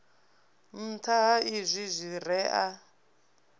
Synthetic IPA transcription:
m̩tʰaɦaizʷizʷirɛʔa

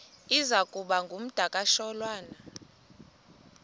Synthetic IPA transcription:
izakʼuɓaŋɡʱum̩d̥ʱakʼaʃɔlwaːna

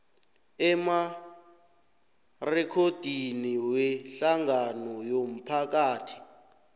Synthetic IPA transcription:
ɛma | rɛkʰod̥ʱiniwɛɬaŋɡanɔjom̩pʰak̬aːtʰi̥

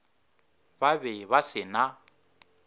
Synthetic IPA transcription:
babɛβasɪna

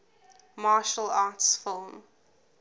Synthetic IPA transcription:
mɑːʃəlɑːtsfɪlˠm

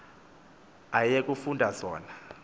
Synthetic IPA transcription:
ajekʼufundʱazɔːna

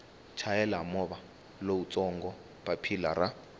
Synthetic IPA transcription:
t͡ʃʰajɛlamɔβa | lout͡sʼɔŋɡɔ | papʰilaɾa

